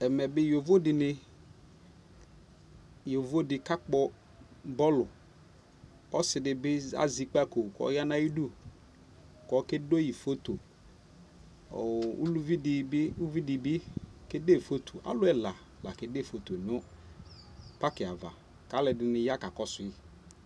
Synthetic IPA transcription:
ɛ˨mɛ˨bɪ˦jo˨vo˦dɪ˨nɪ˦ | jo˨vo˦dɪ˨ka˦k͡pɔ˦ | bɔ˦lʊ˨ | ɔ˦sɪ˨dɪ˨bɪ˦a̰˦zi˨˦k͡pa˦˨ko˨kɔ̰˨˦ja˦na˦ji˦du˦ | kɔ˨˦ke˦do˦ji˨fo˦t̪o˨ | ṵ˦lvi˦dɪ˨˦u˦vi˦dɪ˨bɪ˦kɪ˦de˦˨fo˦t̪ʰo˨ʔa̰˨˦lʊ˦ɛ˦la˨ | la˨kɪ˨de˦˨fo˨t̪o˨n˨ɔ˦ | pa˦kɪ˨a˨va̰˨ | ka˦lɛ˨dɪ˨nɪ˨ja˦ka˨kɔ˦sʊ˨ɪ˦

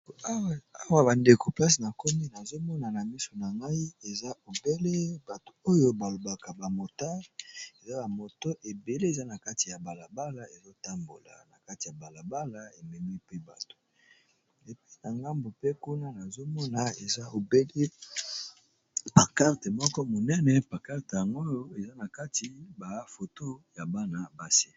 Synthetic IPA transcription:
a˦wa˨ba˨nde˨ko˨pla˦sna˨ko˦mi˦na˨zo˦mɔ˦na˨na˨mi˦so˨na˨ŋɡa˦i˦e˨za˦o˨be˦le˦ba˨to̥˨o˦jo˦ba˨lo˨ba˨ka˨ba˨mo˨ta˦e˨za˦ba˨mo˨to˦ʔe˨be˨le˦e˨za˦na˨ka˦ti˨ja˨ba˨la˨ba˦la˨e˨zo˦ta˦mbo̰˨la̰˨na˨ka˦ti˨ja˨ba˨la˨ba˦la˨e˨mɛ˨mi˦pe˦ba˨to̥˨ | e˨pi˦na˨ŋɡa˦mbo˨pe˦ku˦na˦na˨zo˦mɔ˦na˨e˨za˦o˨be˦li˦ | pa˨ka˦ʁte˨mɔ˦kɔ˦mo˨nɛ˦nɛ˨pa˨ka˦ʁte˨ja˨ŋɡo˦jo˦e˨za˦na˨ka˦ti˨ba˨fo˨to˦ja˨ba˦na˨ba˦si̥˦

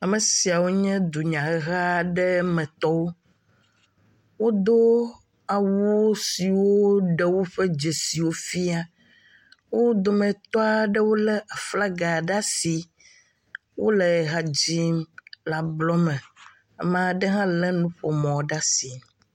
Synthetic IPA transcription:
a˨mɛ̃˨si˨a˨wo˦ɲɛ̃˦d̪u˨ɲã˨˦ɣa˦ɖɛ˦mɛ̃˨t̪ɔ˦wo˦ | wo˦d̪o˦ | a˨wuu˦si˨wo˦ɖɛ˦wo˦ɸɛ˦d͡ʒe˨si˨wo˦fi˦a˦ | wo˦d̪o˨mɛ̃˨t̪ɔ˦a˨ɖɛ˦wo˦lɛ˦a˨fla˦ɡa˨ɖa˦si˨ | wʔo̰˦lɛ˨ɣa˨d͡ʑi˦mla˨blɔ˦mɛ̃˨ | mã˨ɖɛ˦ɦã˦lɛ˦nũ˦ɸɔ˨mɔ̃˨ɖa˦si˨

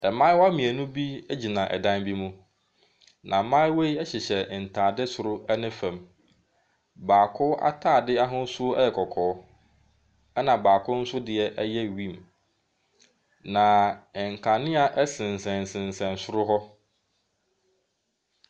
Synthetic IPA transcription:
ɛ˨mã˦wɔ˦a˦mĩ˨æ˨nũ˦bi˦ɛ˦d͡ʑi˨nã˨ʔɛ̰˨dã˦nbi˦mũ˦ | nʔã˨mã˦ɪ˦wo˦i˦ɛ˦ɕɪ˨ɕɛ˨n̩˨tʰaː˨dɪ˦sʊ˨ɾʊ˦ɛ˦nɪ̃˦fã˨m | baː˨kʰʊ˦ʔa̰˦tʰaː˦˨dɪ˦a˦ɦʊ̃˦sʊ˦ɛ̰˦jɛ˨kʰɔ˨kʰɔː˨˦ | ɛ˦nã˨baː˨kʰʊ˦n̩˦sʊ˦dɪ˨ɛ˦ʔɛ˦jɛ˦˨wĩ˦˨m | nã˨ŋ̩˨kʰã˨nɪ̃˦a˨ʔɛ˦sɪ̃˨n˨sɛ̃˨n˨sɪ̃˨n˨sɛ̃˨n˨sʊ˦ɾʊ˦ɦɔ˦

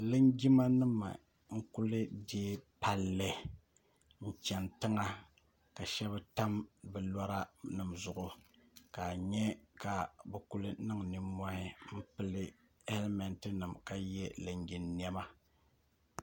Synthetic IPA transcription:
lɨ˦nd͡ʒi˦ma˦nɨ˦ma̰˨ | ŋ̩˦ku˦lɨ˦de˦pa˨lːɨ˨ | n̩˨t͡ʃɛ˨ntɨ˦ŋa˦ | ka˨ʃɛ˦βɨ˦ta˦mbɛ˨la˦ɾa˦nɨ˨mzʊ˨ʔʊ˨ka˨ɲɛ˦ka˨bɨ˨ku˦lɨ˦nɨ˦ŋ˨ni˦ma˦ɪ˦m̩˦pɨ˦lɨ˦ | ɛ˦lmɛ˨ntɨ˦nɨ˨mka˨jɛ˦lɨ˨ŋɡi˨nː˦ɛ˦ma˦

